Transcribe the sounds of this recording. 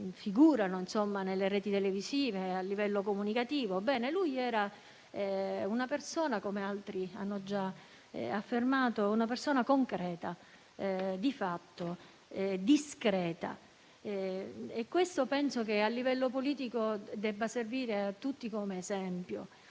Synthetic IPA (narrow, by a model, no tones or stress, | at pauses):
fiɡuːɾanoinsomːanelːeɾɛːt̪it̪elevisiːvealːivɛlːokomunikat̪iːvobɛːnelujɛːɾa | ɛunapersoːnakomealt̪ɾia̰nːod͡ʒa̰ | afːermaːt̪ounap̬ersoːnakoŋkɾɛːt̪a | d̪ifat̪ːo | ɛd̪iskɾɛːt̪a̰ | ɛekːwest̪opɛnsok̟ealːivɛlːopoliːt̪̬ikod̪ɛbːaserviːɾeat̪ːut̪ːikomeːzɛmpjo̰